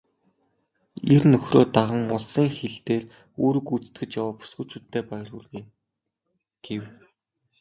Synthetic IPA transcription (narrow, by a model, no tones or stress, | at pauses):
ernɵxroːt̪aʁə̆ŋʊɮsiːŋxeɮt̪eːr | oːɾɵ̆kut͡st̪̚ɡɘ̆t͡ɕjawaːpu̥sɡut͡ɕʰuːt̪ʰːeːpæjə̆rxuɮɣe | ɡ̥ew